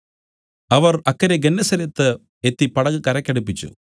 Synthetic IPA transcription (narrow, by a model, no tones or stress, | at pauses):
ɐʋɐrɐkːɐɾeɡenːɐsɐɾɐt̪ːɨ | et̪ːipɐɽɐɣɨkɐɾɐkʲːɐɽupːit͡ɕːṵ